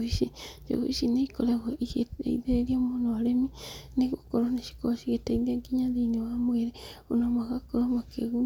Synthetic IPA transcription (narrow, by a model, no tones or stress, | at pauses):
iʃid͡ʒo̰ɣo̰iʃineikoɾɛɣoʔḭiðeɾeɾiamonowaɾemineɣokoɾoneʃi̥kooʃiɣetaiðaɡiɲaðiːnewamweɾeo̰nomaɣakoɾomakḛɣu